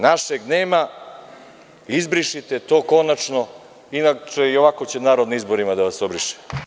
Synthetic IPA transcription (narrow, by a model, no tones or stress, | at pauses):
naʃeɡneːma | izbɾiʃit̪et̪o̞ːko̞nat͡ʃno | inat͡ʃeioʋako̞t͡ɕenaːɾod̪niizbo̞ɾimad̪aʋasobɾiʃe̥